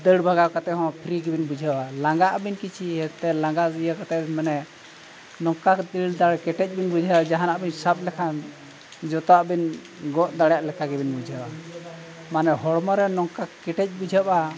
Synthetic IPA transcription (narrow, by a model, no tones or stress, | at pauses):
d̪əɽbʱaɡakat̪ɛɦɔ̃pʰɾiɡɛbinbud͡ʒʱawalaŋɡaʔbinkit͡ʃʰiɦɛt̪ɛlãŋɡazjakat̪ɛbmanɛ | nɔŋkakd̪iɽd̪aɽkɛʈɛc̚ˀbinbud͡ʒʱaad͡ʒaɦanaʔbinsap̚lɛkʰan | d͡ʒɔt̪ɔaʔbin | ɡɔʔd̪aɽjaʔlɛkʰaɡɛbinbud͡ʒʱawa | manɛɦɔɽmɔɾɛnɔŋkakːɛʈɛc̚bud͡ʒʱapa